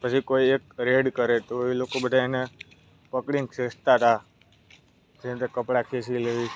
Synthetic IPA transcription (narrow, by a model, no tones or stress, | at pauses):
pət͡ʃʰikoiek̚ɾeɖkəɾet̪oilokobəd̪ʱaene | pəkɽiŋsest̪at̪a | d͡ʒet̪ekəpɽakʰesileʋi